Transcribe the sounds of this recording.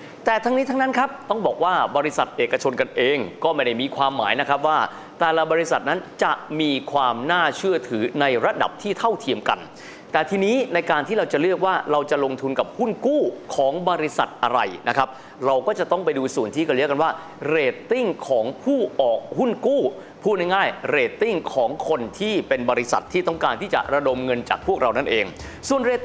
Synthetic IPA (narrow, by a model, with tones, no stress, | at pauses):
t̪ɛː˨˩t̪ʰa˦˥ŋniː˦˥t̪ʰa˦˥ŋna˦˥nkʰa˦˥p̚t̪ɔ˥˩ŋbɔː˨˩k̚waː˥˩bɔː˧ɾi˦˥sa˨˩t̪̚ʔeː˨˩kːa˧t͡ɕʰo˧nka˧nʔeː˧ŋkɔː˥˩ma˥˩da˥˩jmiː˧kʰwaː˧mːa̰ː˩˦jna˦˥kʰɾa˦˥p̚waː˥˩ | t̪ɛː˨˩la˨˩bɔː˧ɾi˦˥sa̰˨˩t̪̚na˦˥nt͡ɕa˨˩miː˧kʰwaː˧mnaː˥˩t͡ɕʰɯ˥˩ɐt̪ʰɯː˩˦na˧jɾa˦˥da̰˨˩p̚t̪ʰiː˥˩t̪ʰa˥˩wt̪ʰi˧əmka̰˧n | t̪ɛː˨˩t̪ʰiː˧niː˦˥na˧jkaː˧nt̪ʰiː˥˩ɾa˧wt͡ɕa˨˩lɯ˥˩ək̚waː˥˩ɾa˧wt͡ɕa˨˩lo˧ŋt̪ʰu˧nka˨˩p̚hu˥˩nkuː˥˩kʰɔː˩˦ŋbɔː˧ɾi˦˥sa̰˨˩t̪̚ʔa̰˧ɾa˧jna˦˥kʰa˦˥p̚ | ɾa˧wkɔː˥˩t͡ɕa˨˩t̪ɔ˥˩ŋp̬a˧jduː˧su˨˩nt̪ʰiː˥˩ka˧li˦˥əka˧nwaː˥˩ | ɾeː˧˩t̪ːi˥˩ŋkʰɔː˩˦ŋpʰuː˥˩ʔɔː˨˩k̚hu˥˩nkuː˥˩ | pʰuː˥˩t̪̚na˥˩jŋaː˥˩jɾeː˧˩t̪ːi˥˩ŋkʰɔː˩˦ŋkʰo˧nt̪ʰiː˥˩pe˧nbɔː˧ɾi˦˥sa̰˨˩t̪ʰːiː˥˩t̪ɔ˥˩ŋkaː˧nt̪ʰiː˥˩t͡ɕa̰˨˩ɾa˧do˧mŋɤ˧nt͡ɕa̰ː˨˩k̚pʰu˥˩k̚ɾʔa˧wna˥˩nʔeː˧ŋ | su˨˩ənɾeː˧t̪